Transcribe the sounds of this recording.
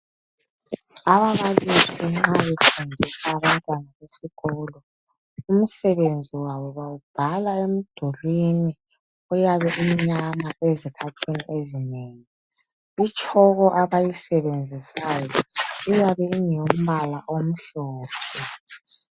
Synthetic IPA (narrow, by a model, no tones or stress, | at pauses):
aβaβalisiŋ͡ǁaβefund͡ʒʱisaːβantʼwanaβesiɣɔːlɔ | um̩sɛβend͡zʱiwaβɔβawub̥ʱalaem̩d̥ʱolwini | ujaβɛʔumiɲamaʔezikʰatʰiniʔezineːŋɛ | it͡ʃʼɔɣɔʔaβajisɛβend͡zʱisajɔijaβɛiŋjom̩βalaʔom̩ɬɔːpʰɛ